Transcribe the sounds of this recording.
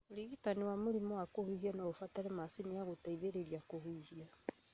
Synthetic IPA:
oɾiɣitaniwamoɾimɔwakohuiɣianaofataɾɛmasiniaɣotaiðeɾeɾiakohuiɣia

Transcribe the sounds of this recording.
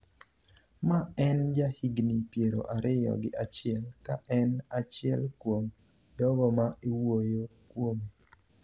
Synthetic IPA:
ma | ɛnd͡ʒahiɡnipjeɾo̰ʔaɾɪja̰ɡɪʔat͡ʃɪɛl | kaʔɛn | at͡ʃɪɛlkwoɲ | dɔɡɔma | iwojo | kwom

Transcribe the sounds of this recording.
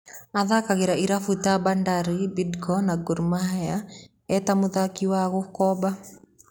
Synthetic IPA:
aðakaɣeɾaiɾafutabandaɾibidkɔnaɡuɾmaɦɛa | ɛtamuðakiwaɣʊkɔba

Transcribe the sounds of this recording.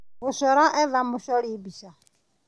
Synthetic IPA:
ɦʊʃɔɾaʔɛðamʊʃɔɺibisa

